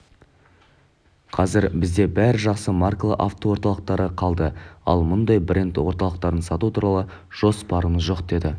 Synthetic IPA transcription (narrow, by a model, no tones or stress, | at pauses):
qʰɑzɪɾbɪzd̪e̞bæɾɪʒɑqsəmarklˠə̰ʔaft̪owoɾt̪ɑlˠəq̚t̪ɑɾəqʰɑlˠd̪əɑ̰lˠmʊnd̪ɑjbre̞nt̪wo̞ɾt̪ɑlˠəq̚t̪ɑɾənsɑt̪ut̪ʰuɾɑlˠəʒ̥o̞spɑɾəməzʒo̞qd̪e̞d̪ɪ